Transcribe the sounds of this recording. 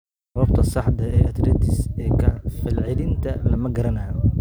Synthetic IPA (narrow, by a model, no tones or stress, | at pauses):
sɐβɐbt̪ʰɐsɑħd̪ɐɛːʔɐd̪rɪt̪ʰɪsɛːkʰɐfɪlʕɪlɪnt̪ʰɐlɐmɐɡɐɾɐnaː